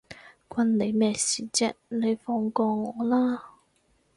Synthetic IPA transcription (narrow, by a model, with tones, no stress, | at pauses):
kʷwɐ˧nne˨˧jmɛː˧siː˨˩t͡sɛ̰˥ne˨˧jfɔː˧ŋkɔː˧ŋɔː˨˧˦laː˥